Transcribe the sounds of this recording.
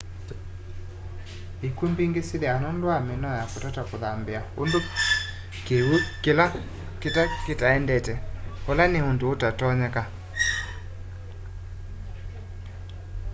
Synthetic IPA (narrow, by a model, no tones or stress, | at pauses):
ekumbiŋɡesiljanɔndwamɪnɔjakotatakoðambɪaondo | kewukɪla | kɪtakɪtaɛndɛtɛolaneondoːtatɔɲɛka